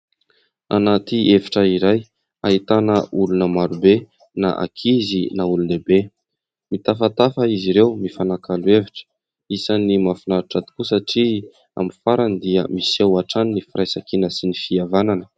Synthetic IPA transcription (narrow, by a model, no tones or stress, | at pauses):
a̰nat̪ievi̥ʈ͡ʂəiɾaj | aɦit̪anəʔulunəmaɾube | na̰ʔa̰kʰizinaulunebe | mit̪afat̪afəiziɾewmifanakalueviʈ͡ʂə̥ | isanimafinaɾuʈ͡ʂad̪i̥kusaʈ͡ʂi | a̰mifaɾand̪iə̰misewaʈ͡ʂannifiɾajsakinəsinifiavananə̥